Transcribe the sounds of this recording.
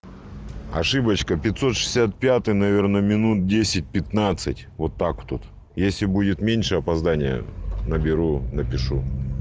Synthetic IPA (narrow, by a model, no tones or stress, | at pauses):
ɐ̰ʂɨbət͡ɕkəpʲɪt̪so̞t̪ʂɨ̥sʲat̪̚pʲat̪ɨjnɐvʲe̞rnəmʲɪnut̪̚dʲesʲɪt̚ʲpʲɪt̪nat̪sɨtʲvo̞t̪ːakt̪ut̪ | jesʲlʲɪbudʲɪt̪mʲenʲʂɨɐpɐzd̪anʲɪjə̰nəbʲɪɾunəpʲɪʂu